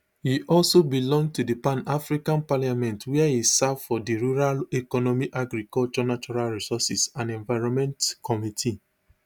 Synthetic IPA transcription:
hiʔɔlsobilɔ̃ŋ̚tudipãnafɹikãnpaljamɛ̃ntwɛɛisavfɔdiɹuɹalɛkɔnɔmiʔaɡɾikɔlt͡ʃɔnat͡ʃɔɹalɹisɔsisãnɛ̃ɱvaɪɹɔ̃mɛ̃ntkʰɔmitʰi

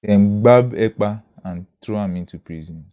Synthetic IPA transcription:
eŋ͡m̩ɡ͡babek͡paan̩tɾoamĩn̩tupɾizɔ̃n

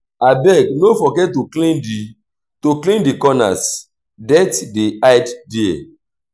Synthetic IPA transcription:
abɛɡ̚nofɔɡɛt̚tuklĩndi | toklĩndikɔna̰s | dɛtdiajddiḛ

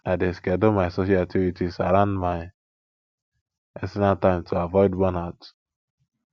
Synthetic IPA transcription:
adeskɛdomasosiativitisaɾãnmaj | ɛsɛnatãɪmtʰuavɔɪdbɔnat

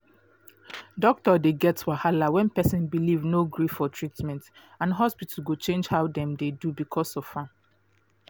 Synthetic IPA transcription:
dɔk̚tɔdeɡɛtwahalawɛ̃npɛsɔ̃nbilivnoɡɹifːɔtʰɹitmɛ̃nt | ãnɦɔspitʰəɡot͡ʃẽnd͡ʒhaʊdɛ̃mdedubikʰɔsɔv̥fãm

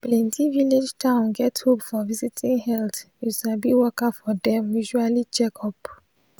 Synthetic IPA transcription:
plɛ̃ntʰiviled͡ʒtʰãʊ̃nɡɛthopfɔvizitʰĩŋhɛltjuʃabiwɔkafɔdɛ̃mjuʒualit͡ʃɛkʰɔp

